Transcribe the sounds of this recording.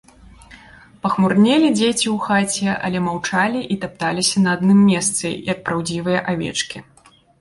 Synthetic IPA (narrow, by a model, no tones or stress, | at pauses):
pɐxmurnʲelʲid͡zʲet͡sʲiwxat͡sʲɛa̰lʲɛmawt͡ʂalʲiʔit̪ap̚t̪alʲisʲɐnɐːd̪nɨmːʲɛst̪sɨ̰ḭɐt̪̚pɾawd͡zʲivɨjɐʔavʲɛ̰t͡ʂkʲi